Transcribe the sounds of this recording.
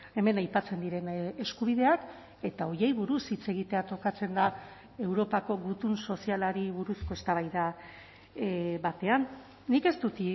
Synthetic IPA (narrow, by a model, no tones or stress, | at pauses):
e̞me̞najpat͡se̞nd̪iɾe̞ne̞skuβ̞iðe̞ak | e̞t̪ao̞je̞jβuɾusit͡se̞ɣ̞it̪e̞at̪o̞kat͡se̞nd̪a | e̞wɾo̞pako̞ɣut̪unso̞sialaɾiβuɾusko̞e̞st̪aβ̞ajða | βat̪e̞anː | ike̞st̪ut̪i